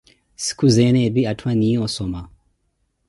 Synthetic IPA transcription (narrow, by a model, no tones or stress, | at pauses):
si̥kuzɛnɛbiatʰwaniɔsɔma